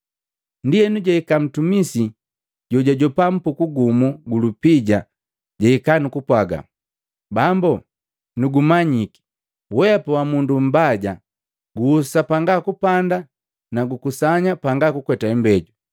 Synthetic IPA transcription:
ndijɛnuɟaikam̩tumisi | ɟɔɟaɟɔpam̩pukuɡumuɡulupiɟa | ɟaikanukupwaɡa̰ | bambu | nuɡumaɲiki̥ | wɛpɔwamundum̩baɟa | ɡuːsapaŋɡakupanda | naɡukusaɲapaŋɡakukwɛtaɛmbɛɟu

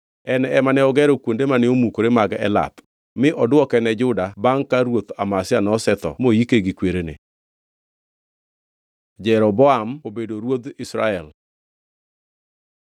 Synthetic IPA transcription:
ɛnɛɛmanɛɔɡɛɾɔkwondemanɪomukoɾemaɡɛ̰la̰p | mɪʔɔdwɔkɛnɛd͡ʒʊdabaŋkaɾwot̪amasɪanɔsɛt̪ɔ̰mojikeɡikweɾenḛ | d͡ʒɛɾɔbɔamobedoɾwod̪ɪsɾaɛl

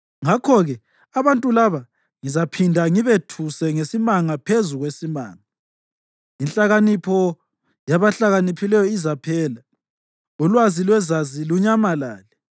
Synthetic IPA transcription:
ŋakʰɔɣɛ | aβantʼulaβa | ŋizapʰindʱaŋiβetʰusɛŋesimaŋapʰezuɣwesima̰ːŋa | inɬʼaɣanipʰɔ | jaβaɬaɣanipʰilɛjɔizapʰɛːla | ulwazilwɛzaziluɲamalaːlɛ

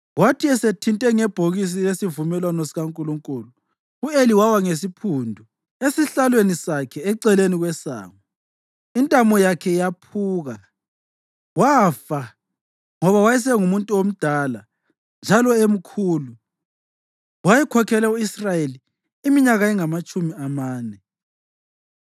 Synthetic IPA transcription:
watʰiɛsetʰintʼɛŋɛb̥ʱoɣis̬ijesivumɛlwanɔsiɣaŋkʼuluŋkʼuːlu | ueliwawaŋesipʰuːndʱu | esiɬalwenisakʰɛɛǀɛleniɣwɛsa̰ːŋɔ | intʼamɔjakʰɛjapʰuːɣa | waːfa | ŋɔβawajɛs̬ɛŋumuntʼuom̩d̥ʱala | nd͡ʒʱalɔem̩kʰuːlu | wajɛkʰɔkʰɛlauisrajeliː | miɲaɣaɛŋamat͡ʃʼumiamaːnɛ

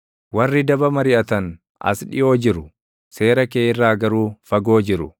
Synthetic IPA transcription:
wɐrːɪd̪ɐbɐmɐɾɪʔɐt̪ɐn | ʔɐ̰sᶑɪ̰jo̞ːd͡ʒɪɾʊ | se̞ːɾɐkeːɪrːaːɡɐɾuːfɐɡo̞ːd͡ʒɪɾʊ

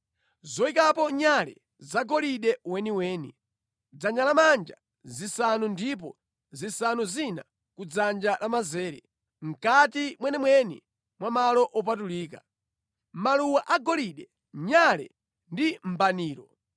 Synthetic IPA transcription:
zɔikapɔɲalɛ̰ | zaɡɔliɗɛwɛniwɛːni | d͡zand͡ʒalamand͡ʒa | zisanundip̬ɔ | zisanuzina̰ | kud͡zand͡ʒalamazɛːɾɛ̰ | ŋ̩katimwɛnɛmwɛni | mwamalɔʔɔp̬atuliːka̰ | maluwaʔaɡɔliɗɛ | ɲalɛ̰ | ndim̩baniːɾɔ

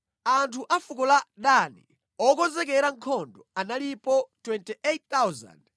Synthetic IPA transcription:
antʰuʔafukɔlaɗanḭ | ɔkɔzɛk̬ɛɾaŋkʰɔndɔanalipɔtwɛntiʔet̚t̪awza̰nd

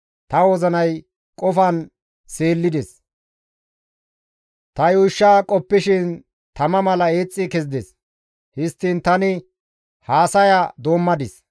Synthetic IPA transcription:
t̪ɐwɔzɐnɐj | kʼɔfɐn | se̞ːlːɪd̪ɛs | t̪ɐjuːʃːaːkʼɔpːɪʃɪn | t̪ɐmɐmɐlɐeːt͡sʼːɪkɛzd̪ɛs | hɪst̪ːɪnt̪ɐnɪ | haːsɐjɐd̪oːmːɐd̪ɪs

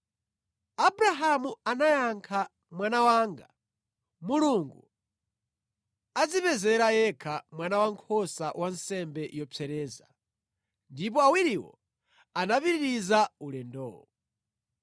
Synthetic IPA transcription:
abuɾaɦamuanajaŋkʰa | mwanawaːŋɡa̰ | muluŋɡu | ad͡zipɛzɛɾajɛkʰamwanawaŋkʰɔsawʔansɛmbɛjɔp͡sɛɾɛːza | ndipɔawiɾiwɔ̰ | anapiɾiɾizaulɛndɔ̰ːɔ

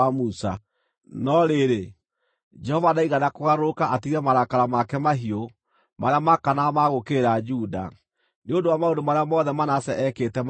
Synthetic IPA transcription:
amusa | nɔɾeɾe | d͡ʒɛhɔvadaiɣanakoɣaɾokaʔatiɾɛmaɾakaɾamakɛmaɦio | maɾeamakanamaɣokeɾad͡ʒuda̰ | neondowamaondomaɾeamɔðɛmanasɛʔɛkeːtɛm

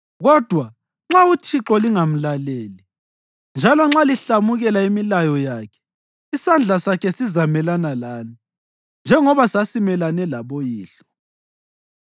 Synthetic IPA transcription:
ɣɔd̥ʱwa | ŋ͡ǁautʰiǁɔliŋam̩laleːli | nd͡ʒʱalɔŋ͡ǁaliɬamuɣɛlaimilajɔjaːkʰɛ̥ | isand͡ɮʱasakʰɛsizamɛlanalaːni | nd͡ʒʱɛŋɔβasasimɛlanɛlaβojiːɬɔ̥

